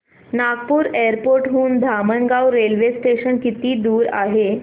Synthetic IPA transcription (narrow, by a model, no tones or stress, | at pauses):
naɡpuːɾejəɾpoɾʈɦuːnd̪ʱamənɡawɾelʋesʈeɕənkit̪iːd̪uːɾa̰ɦe